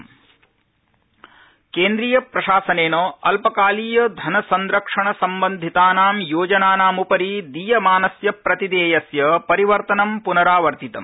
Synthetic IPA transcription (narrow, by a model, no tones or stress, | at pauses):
keːnd̪ɾijɐpɾɐʃaːsɐneːnoːɐlpɐkaːliːjɐd̪ʱɐnɐsɐnɾɐkʂɐɳɐsɐmbɐnd̪ʱit̪aːnaːmjoːd͡ʒɐnaːnaːmupɐɾid̪ijɐmaːnɐsjɐpɾɐt̪id̪eːjɐsjɐpɐɾiʋɐɾt̪ɐnɐmpunɐɾaːʋɐɾt̪it̪ɐ̰m